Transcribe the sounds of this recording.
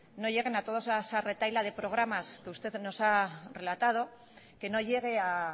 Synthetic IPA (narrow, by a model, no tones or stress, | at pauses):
no̞ʝe̞ɣ̞enat̪o̞ð̞osasare̞t̪ajlað̞e̞pɾo̞ɣ̞ɾamaskeust̪e̞ðno̞sare̞lat̪að̞o̞ | ke̞no̞ʎe̞ɣ̞e̞a